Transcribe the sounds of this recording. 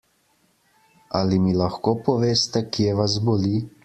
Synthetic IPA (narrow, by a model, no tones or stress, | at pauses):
alimilaxkɔpɔʋeːst̪ɛkjɛʋazboliː